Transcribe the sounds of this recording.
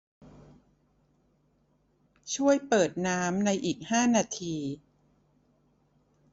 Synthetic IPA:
t͡ɕʰu˥˩əjpɤː˨˩t̪̚naː˦˥mna˧jʔiː˨˩k̚haː˥˩naː˧t̪ʰiː˧

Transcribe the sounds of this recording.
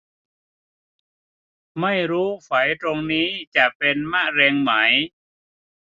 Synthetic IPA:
ma˥˩jɾuː˦˥fa˩˦jt̪ɾo˧ŋniː˦˥t͡ɕa˨˩ʔpe˧nma˥˩ɾɛː˧ŋma˩˦j

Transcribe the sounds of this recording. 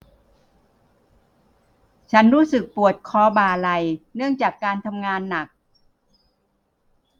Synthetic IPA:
t͡ɕʰa˦˥nɾuː˦˥sɯ˨˩k̚pu˨˩ə˩t̪̚kʰɔː˧baː˨˩la˧jnɯ˥˩əŋt͡ɕaː˨˩kːaː˧nt̪ʰa˧mŋaː˧nːa˨˩k̚

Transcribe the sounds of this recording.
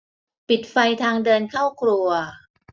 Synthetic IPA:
pi˨˩t̪̚fa˧jt̪ʰaː˧ŋdɤː˧nkʰaː˥˩wkʰɾu˧ɐ

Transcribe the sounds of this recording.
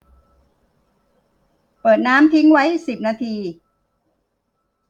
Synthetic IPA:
pɤː˨˩t̪̚naː˦˥mt̪ʰi˦˥ŋwa˦˥jsi˨˩p̚naː˧t̪ʰiː˧

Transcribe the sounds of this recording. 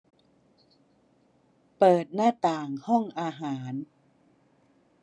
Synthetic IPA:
pɤː˨˩t̪̚naː˥˩t̪aː˨˩ŋhɔ˥˩ŋʔaː˧ɦaː˩˦n

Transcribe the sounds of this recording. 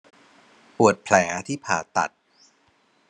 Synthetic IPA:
pu˨˩ət̪̚pʰlɛː˩˦t̪ʰiː˥˩pʰaː˨˩t̪a̰˨˩t̪̚

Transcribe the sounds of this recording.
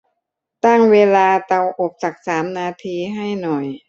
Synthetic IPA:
t̪a˥˩ŋweː˧laː˧t̪a˧wʔo˨˩p̚t͡ɕa˨˩k̚saː˩˦mnaː˧t̪ʰiː˧ɦa˥˩jnɔ˨˩j

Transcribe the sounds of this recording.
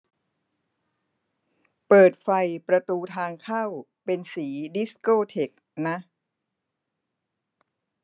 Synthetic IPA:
pɤː˨˩t̪̚fa˧jpɾa˧t̪uː˧t̪ʰaː˧ŋkʰa˥˩wpe˧nsiː˩˦di˦˥skoː˥˩t̪ʰe˨˩k̚na˦˥ʔ

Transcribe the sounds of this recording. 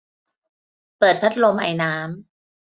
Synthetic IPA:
pɤː˨˩t̪̚pʰa˦˥t̪̚lo˧mʔa̰˧jnaː˦˥m

